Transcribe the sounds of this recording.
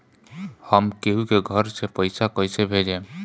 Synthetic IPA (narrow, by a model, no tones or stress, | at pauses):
həmkeɦukeɡʱəɾsepəɪsakəɪsebʱed͡ʒẽː